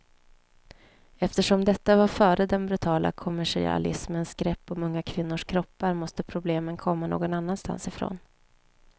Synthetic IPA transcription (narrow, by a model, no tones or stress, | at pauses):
ɛft̪əʂɔmd̪ɛt̪ːavaɾfœːɾəd̪ɛnbɾɵt̪ʰɑːla̰kʰʊmːæʂɪ̰a̰lɪ̰smənsɡ̥ɾɛpːɔmɵŋːakʰvɪnːʊʂkʰɾɔpːaɾmɔst̪əpʰɾʊbleːmənkʰɔmːano̰ːɡɔnanːanst̪a̰nsɪfɾo̰ːn